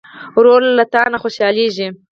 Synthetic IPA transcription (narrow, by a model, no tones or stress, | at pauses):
ɾolːat̪ɑnaxoʃjɑleʒi